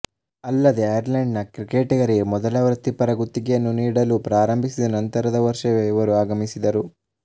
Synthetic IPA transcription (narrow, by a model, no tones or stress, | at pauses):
ɐlːɐd̪e̞ɐjɐɾlɐɳɖnɐkɾikeːʈɐɡɐɾiɡemɔd̪ɐlɐʋɾɐt̪ːipɐɾɐɡut̪ːiɡejɐnːuniːɽɐlupɾaːɾɐmbʱisid̪ɐnɐnt̪ɐɾɐd̪ɐʋɐɾʂɐʋeiʋɐɾuaːɡɐmisid̪ɐɾu